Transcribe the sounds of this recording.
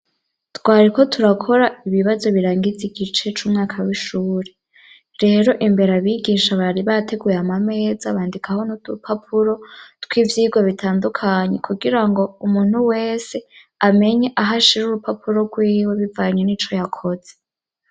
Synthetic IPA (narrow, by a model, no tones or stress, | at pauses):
twaːɾiko̞tʰuɾakʰo̞ɾaiβiβazo̞βiɾaːŋɡiziɡit͡ʃe̞t͡ʃuːmŋaːkʰawiʃuːɾe̞ | ɾe̞ːɾo̞ʔimbe̞ɾaβiɡiːʃaβaɾiβatʰe̞ɡujeamame̞ːzaβaːndikʰahonu̥upapʰuɾo̞twivjiːɡweβitʰaːndukʰaɲe̞kʰuɡiɾaŋɡo̞umuːn̥huwe̞ːse̞ | ame̞ɲe̞ʔaɦaʃiɾuɾupapʰuɾo̞ɡwiːwe̞βivaɲeniːt͡ʃo̞jakʰo̞z̥e